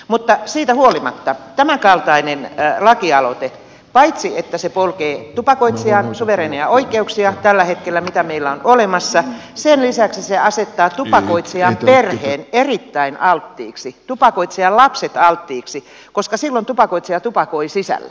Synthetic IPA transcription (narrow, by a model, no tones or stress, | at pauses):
mut̪ːɑsiːt̪æhuolimɑ̰t̪ːɑt̪æmækɑlt̪ɑinenlɑkiɑlot̪e | pɑit̪siet̪ːæsepolkeːt̪upɑkoit̪siɑnsuʋereːniɑoikˑeuksiɑt̪ælːæhet̪kelːæmit̪æmeilːæonʔolemɑsːɑsenlisæksiseɑset̪ːɑːt̪upɑkoit̪siɑmperheːnerit̪ːæinʔɑlt̪ːḭːksit̪upɑkoit̪siɑllɑpset̪ɑlt̪ːiːksi | koskɑsilːont̪upɑkoit̪siɑt̪upɑkoisisæ̰lːæ̥̰